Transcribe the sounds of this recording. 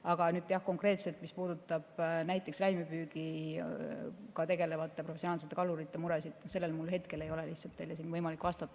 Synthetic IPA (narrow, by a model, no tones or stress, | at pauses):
ɑɡ̥ɑnyːd̪̥jɑhko̞ŋkre̞ːt̪se̞lt̪mispuːd̪ut̪ːˑɑb̥næjt̪ˑːe̞kslæjmepyːɡi | kɑt̪e̞ɡe̞le̞vɑt̪ːˑe̞profesionɑːlset̪ːˑe̞kɑluɾit̪ːe̞muɾe̞sid̪̥ose̞lːelmulɦe̞t̪ke̞le̞jo̞le̞lih̪sɑlt̪ːejlːesiːnvɤjmɑlikːˑvɑst̪ɑt̪ːˑɑ